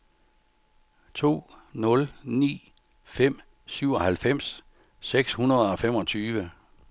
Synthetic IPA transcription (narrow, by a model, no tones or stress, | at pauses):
t͡sʰo̝̰ːnɔ̽lnḭː | fem̰ | syʊ̰ɒ̽hælfem̰s | seɡ̥shunɐðˠɒ̽fem̰ɒ̽t͡sʰyːʋə